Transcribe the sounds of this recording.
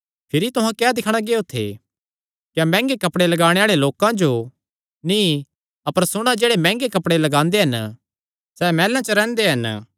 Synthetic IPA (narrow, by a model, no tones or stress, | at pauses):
pʰɪɾit̪ʊɦãkɛːd̪ɪkʰɽ̃aɡeːot̪ʰḛ | kjamɛ̃ːŋɡekɐpɽelɐɡaːɽ̃eaːɭeloːkãd͡ʒo | nĩ | ɐpəɾsʊɽ̃ad͡ʒeːɽemɛ̃ːŋɡekɐpɽelɐɡãːnd̪eɦɐn | sɛmɛːlãt͡ʃəɾɛ̃ːnd̪eɦɐn